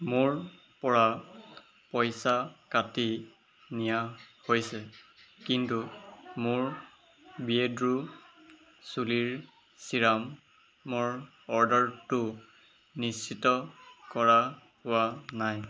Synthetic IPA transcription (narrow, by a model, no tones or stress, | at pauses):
mʊɹ | pɔɹa | pɔjsakati | nijahojsɛkintumʊɹ | biedɹu | suliɹ | siɹamː | ʊɹ | ɔɹdɔɹtʊ | nist͡ʃʰitɔkɔɹa | pʊanaj